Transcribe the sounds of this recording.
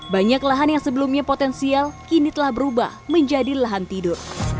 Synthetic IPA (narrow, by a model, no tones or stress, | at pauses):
baɲaklaɦanjaŋsəbəlumɲapot̪ɛnsialkinit̪əlahbəɾuba̰hməɲd͡ʒadilaɦant̪idʊr